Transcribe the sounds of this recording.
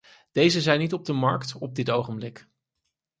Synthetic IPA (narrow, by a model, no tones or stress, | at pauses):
d̥ejzəzɛjnitɔb̚dəmɑ̰ɹktɔb̚dɪtowχəmblɪk